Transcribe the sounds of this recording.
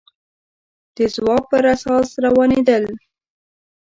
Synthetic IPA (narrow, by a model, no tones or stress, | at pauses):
d̪̥əzwɑk̚pəɾasɑsɾɑwɑned̪əl